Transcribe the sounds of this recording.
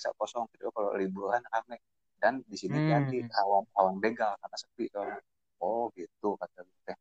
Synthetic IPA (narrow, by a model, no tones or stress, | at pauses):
isa̰ʔkɔsɔŋkit̪ukalo̰libuɾankanɛ | dandisiniad̪ihawamhawaŋbeɡalkarnasək̚p̪it̪oana | ɔɡit̪ukat̪aɡit̪ɛ